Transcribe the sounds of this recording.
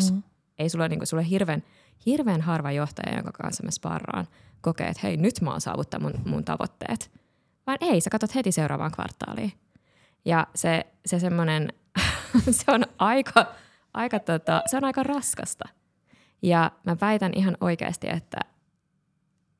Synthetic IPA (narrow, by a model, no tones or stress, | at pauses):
s | eisulːoniːŋkusulːoɦirʋeːn | hirʋeːnɦɑrʋɑjoht̪ɑ̰jɑ̰jo̰ŋkɑkɑ̰nsːɑmːæspɑ̰rːɑ̰ːn | kokḛːḛt̪hḛinyt̪mɑ̰ːsɑ̰ːʋut̪ːɑmunmṵnt̪ɑ̰ʋo̰t̪ːḛːt̪ | ʋɑːnʔeisekɑt̪ot̪het̪iseuɾɑ̰ːʋɑ̰ːŋkʋɑ̰rt̪ːɑ̰ːlḭː | jɑse | sesemːonen | seonɑikʰɑ | ʔɑikɑt̪ot̪ɑseonɑikɑrɑskɑ̰st̪ɑ | jɑmæpæit̪ænʔiɦɑnoikḛːst̪ḭḛt̪ːæ̰